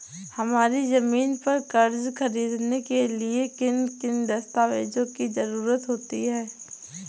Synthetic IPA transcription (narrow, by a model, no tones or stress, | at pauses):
hɐmaːɾizɐmiːnpɐɾkɐɾzxɐɾiːd̪nekeliekɪnkɪnd̪ɐst̪aːʋḛːd͡ʒõkizɐɾuːɾət̪ɦoːt̪iɦɛː